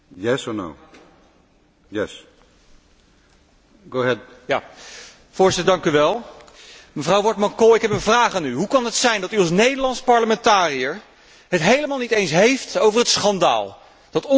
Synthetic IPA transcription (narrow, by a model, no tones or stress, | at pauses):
jɛsɔno̰ʊ | jɛs | ɡ̥oʊəɦɛdja | fʊːɹzɪtəɹdɑŋkyʋɛlˠ | məvrɑwʋɔɹtmɑŋkɔɪkɦɛpənvraːχaːnyɦukɑnɦətsɛjndɑtyɑlˠsnejdəɹlɑntspɑɹləmɛntaːrijəɹ | ɦətɦejləmaːlˠnitejnsɦejftowvərɦətsχɑnda̰ːlˠ | d̥ɑtɔ